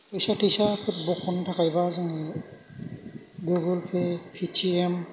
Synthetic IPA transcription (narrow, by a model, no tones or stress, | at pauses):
tojsatʰijsapʰɛt̚bɔkʰɔntʰakajbazaŋɛ | ɡuɡɔlpʰepʰitʰiɛm